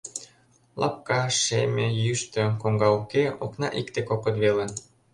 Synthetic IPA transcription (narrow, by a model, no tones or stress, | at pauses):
lʔɑ̰p̚kɑʃemʲejyʃt̪ə̆koŋɡɑukeoknɑʔikt̪ekokot̪βelən